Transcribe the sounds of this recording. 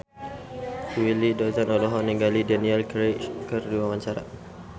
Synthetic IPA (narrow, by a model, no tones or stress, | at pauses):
wilidɔzanɔlɔɦɔniŋɡalidanialkɾekərduamaɲt͡ʃaɾa